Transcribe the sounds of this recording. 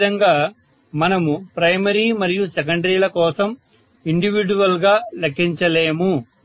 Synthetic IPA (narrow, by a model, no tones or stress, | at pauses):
d̪ɐŋɡaː | mɐnɐmupɾɐjmɐɾiːmɐɾijusɛk̬ɐɳɖɐɾiːlɐkɔːsɐm | iɳɖiʋiɖuʋɐlɡaːlɐkʰːiɲt͡ʃɐleːmu